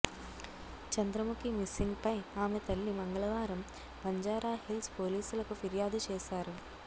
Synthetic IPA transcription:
t͡ʃɐnd̪ɾɐmukimɪsːiŋɡpɐɪaːmet̪ɐlːimɐŋɡɐɭɐʋaːɾɐm | pɐɲd͡ʒaːɾaːhɪlspoːliːsɐlɐkːɯfiɾɪjaːd̪ɯt͡ʃeːsaːɾɯ

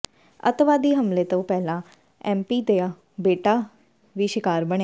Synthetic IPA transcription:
ə̰t̪ʋaːd̪iːɦəmleːt̪õːpɛːlãː | ɛːmpiːd̪eːaː | beːʈaː | ʋiːʃɪkaːɾbəɽe

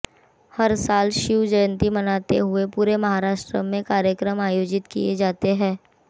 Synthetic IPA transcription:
hɐɾsaːlʃiud͡ʒəjə̃nt̪imɐnaːt̪ḛɦʊepuːɾemɐɦaɾaːʃʈɾəmẽkaːɾjəkɾəmaːjoːd͡ʒɪt̪kḭjḛd͡ʒaːt̪eɦɛ̃ː

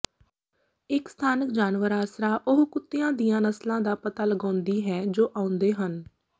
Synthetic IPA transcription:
ɪkst̪ʰaːnəkd͡ʒaːnʋəɾaːsɾaːʔʊɦkʊt̪ːɪjãːd̪ijãːnəslãːd̪aːpət̪aːləɡãːnd̪iːɦɛːd͡ʒoːʔãːʊ̃nd̪eːɦən

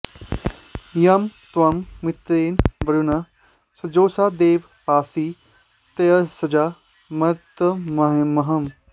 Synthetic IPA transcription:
jɐmt̪wɐmːit̪ɾeːnbɐɾuna | sɐd͡ʒoːsad̪eːʋ | paːsiː | t̪ɐjɐsɐd͡ʒaː | mɐt̪ɐmɐɦemɐɦɐm

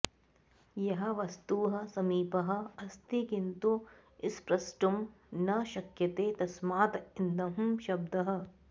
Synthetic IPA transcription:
jɐɦɐ̆ʋɐst̪uːɦɐ̆sɐmiːpɐɦɐ̆ɐst̪ikint̪u | ɪspɾɐsʈumnɐʃɐkjɐt̪eːt̪ɐsmaːt̪ɐind̪ɐɦmʃɐb̚d̪ɐɦɐ̆

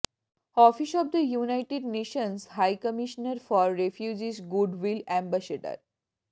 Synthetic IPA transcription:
ɔfisɔʋd̪əjunaɪʈeɖneːʃə̃nsɦaɪkəmiʃnəɾfɔːɾːefjud͡ʒizɡuɖʋilæ̃mbæseɖə̰ɾ

